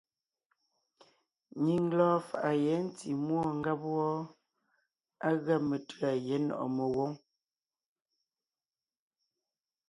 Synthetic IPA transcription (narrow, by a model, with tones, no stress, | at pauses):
ɲi˨ŋlɔː˦fa˨ʔa˨jɛ˨˦n̩˦ti˨mwɔ˦˨ŋ̩˦ɡa˦pwɔ˦ | a˦ɣa˦˨me˨tɰa˨je˨˦nɔ̰˨ʔɔ̰˨me˨wo˦ŋ